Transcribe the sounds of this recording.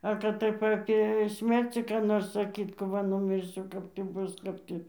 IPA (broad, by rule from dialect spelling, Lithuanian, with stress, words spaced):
ˈɐ kɐt ˈtɐɪp ˈɑːpʲeː ˈsʲmʲɛrʲt͡sʲiː kɑː ˈnoːrs sɐˈkʲiːt kɐp ˈʋɐ nʊmʲɪrʲˈsʲʊ ˈkɐp tʲiː ˈbʊs ˈkɐp tʲiː